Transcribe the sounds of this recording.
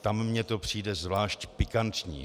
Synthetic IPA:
t̪amːɲɛt̪o̞pr̝̥iːdɛzvlaːʃcpɪkant̪ɲḭː

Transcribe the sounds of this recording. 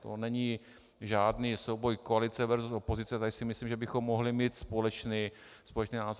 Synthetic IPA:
t̪o̰nɛɲi | ʒaːdniːso̞wbo̞jkoalɪt͡sɛvɛɾzuso̞po̞zɪt͡sɛt̪adɪsɪmɪsliːmʒɛbɪxo̞mːoɦlɪmiːt̪spo̞lɛt͡ʃniː | spolɛt͡ʃniːnaːzo

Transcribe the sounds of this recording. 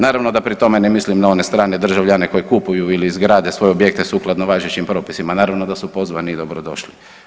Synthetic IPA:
naːɾaʋno̞d̪apɾit̪o̞menemislimnao̞nest̪ɾaːned̪r̩ʒaʋʎane̞ko̞jekupujuiliːzɡɾaːd̪e̞sʋo̞jeobje̞k̚t̪esuklˠad̪noʋaːʒet͡ɕimpɾo̞ːpisimanaːɾaʋnod̪asupo̞zʋanid̪obɾod̪o̞̰ʃli

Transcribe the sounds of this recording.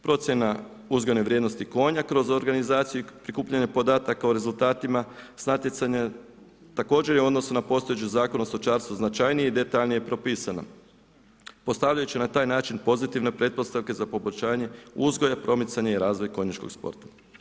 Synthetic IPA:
pɾo̞t̪sje̞na | uzɡo̞jneʋɾʲjed̪no̞st̪iko̞ːɲakɾo̞zo̞ɾɡanizaːt̪sijupɾikuːpʎaɲepo̞d̪aːt̪akaoɾe̞zulˠt̪aːt̪imasnat̪jesaɲa | t̪ako̞ːd͡ʒe̞ɾjeo̞d̪no̞sunapo̞st̪o̞jet͡ʃuzaːko̞nust̪ot͡ʃaːɾst̪uznat͡ʃajnijeid̪e̞t̪aʎnijepɾopiːsana̰ | po̞st̪aʋʎajut͡ɕinat̪aːjnaːt͡ʃinpo̞zit̪iʋne̞pɾe̞d̪̚po̞st̪aʋke̞zapo̞boʎʲʃaːɲe̞uzɡo̞japɾo̞mit̪saɲaiɾaːzʋo̞jko̞ɲat͡ʃko̞̰ɡ̥spo̰ɾt̪ḁ

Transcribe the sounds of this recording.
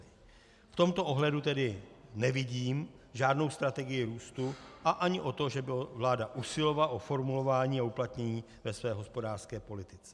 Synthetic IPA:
ft̪o̞mt̪oʔo̞ɦlɛdut̪ɛdɪnɛvɪɟiːmʒaːdno̞wst̪ɾat̪ɛɡɪjɪɾuːst̪uʔaʔaɲɪʔo̞t̪o̞ʒɛbɪvlaːdaʔusɪlo̞valʔo̞fo̞ɾmulo̞vaːɲiːauplat̪ɲɛɲiː | vɛsvɛːɦo̞spo̞daːrskɛːpo̞lɪt̪ɪt͡sɛ̥

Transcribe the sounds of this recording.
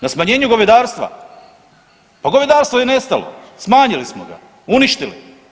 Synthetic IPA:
nasmaɲe̞ːɲuɡoʋed̪aːɾst̪ʋa̰ | paɡoʋed̪aːɾst̪ʋojene̞st̪alo̰smaːɲilismoɡa̰ | uniʃt̪ilḭ

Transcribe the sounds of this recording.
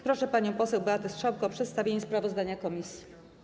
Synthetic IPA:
pɾɔʂɛpaɲɔ̃w̃pɔsɛwbɛat̪ɛstʂɔwkɔpʂɛt̪st̪avʲjeɲɛspɾavɔzd̪aɲakɔmʲisʲji

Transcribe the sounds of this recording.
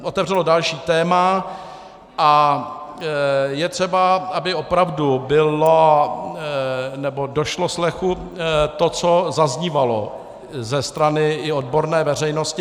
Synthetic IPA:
ʔot̪ɛvr̝ɛlo̞dalʃiːt̪ɛːma | ʔa | jɛt̪r̝̥ɛbaabɪo̞pɾavdubɪlo | nɛbo̞do̞ʃloslɛxu | t̪o̞t͡sozazɲivalo̞ | zɛst̪ɾanɪɪod̚bo̞ɾnɛːvɛr̝ɛjno̞scɪ

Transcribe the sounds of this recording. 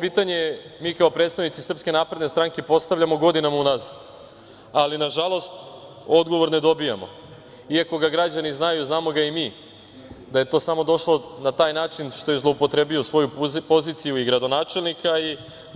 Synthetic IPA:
piːt̪aɲemiːkao̞pɾet̪st̪aʋnit̪sisr̩pske̞naːpɾed̪ne̞st̪ɾaŋke̞po̞st̪aʋʎʲamo̞ɡo̞d̪inamaunazad̪ | alinaʒalˠo̞st̪ | o̞d̪ɡo̞ʋo̞ɾne̞d̪o̞bijamo̞̰ | iako̞ɡaɡɾad͡ʑaniznajuznaːmo̞ɡaimiː | d̪aje̞t̪o̞ːsamo̞d̪o̞ʃlo̞nat̪aːjnaːt͡ʃinʃt̪o̞je̞zlˠo̞upo̞t̪ɾe̞bio̞sʋo̞jupo̞zit̪sijuiɡɾad̪o̞naːt͡ʃe̞lnikai

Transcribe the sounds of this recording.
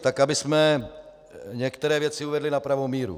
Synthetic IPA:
t̪akabɪsmɛ | ɲɛkt̪ɛɾɛːvjɛt͡sɪuvɛdlɪnapɾavo̞miːɾṵ

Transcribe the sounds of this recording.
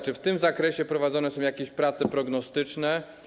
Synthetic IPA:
t͡ʂɘft̪ɘmzakɾɛɕɛpɾɔvad̪ɔnɛsɔ̃w̃jakʲeɕpɾat̪sɛpɾɔɡnɔst̪ɘt͡ʂnɛ

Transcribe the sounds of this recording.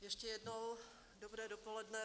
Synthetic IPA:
jɛʃcɛjɛdnow | dobɾɛːdopolɛdnɛ

